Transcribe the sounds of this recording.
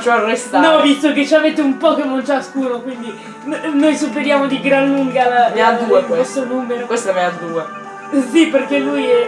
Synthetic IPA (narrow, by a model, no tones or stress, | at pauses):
t͡ʃoarːɛst̪anɔvist̪oket͡ʃamet̪ːeumpɔkenːont͡ʃaskuːnokwind̪i | nnojsupːeɾjaːmod̪iɡɾalːuŋɡalamead̪uekwest̪onuːmeɾokwest̪amead̪uːe | siperkelujɛ